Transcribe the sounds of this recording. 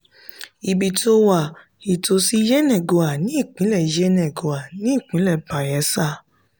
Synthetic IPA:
i˨bi˨to˧wa˨ | i˨to˧si˦jɛ˦nɛ̃˦˨ɡo˨a˨nĩ˨˦i˦˨k͡pĩ˨˦lɛ˦˨i˨d͡ʒɛ˦nɛ̃˨ɡo˨a˨nĩ˨˦i˦˨k͡pĩ˨˦lɛ˦˨ba˨jɛ˨˦sa˦˨

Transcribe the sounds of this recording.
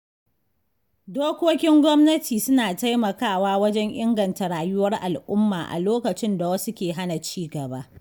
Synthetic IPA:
doː˦kʷoː˦kʲɪ˦ŋɡʷɔ˦mnɐ˦tʰiː˨sʊ˦naː˨ta˦jmɐ˨kaː˦˨waː˦wɐ˦d͡ʒɛ˦ŋʔɪ˦ŋɡɐ˨nta˨ɽaː˨jʊ˦wɐ˦rʔa˨lʔʊ˦mːaː˨ʔa̰˨loː˦kɐ˨t͡ʃɪ˦nda˨wɐ˦su˦kʲeː˨ɦa˦na˨t͡ʃiː˦ɡɐ˨ba˦ʔ

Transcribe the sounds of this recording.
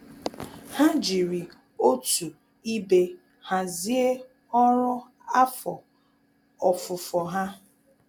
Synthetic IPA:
ha˦d͡ʒi˨ɾi˨ | o˦tu˨ | i˦be˦ | ha˨zi˦e˦ | ɔ˦ɾɔ˦ | a˦fɔ˨ | ɔ˨fʊ˨fɔ˨ɦa˦

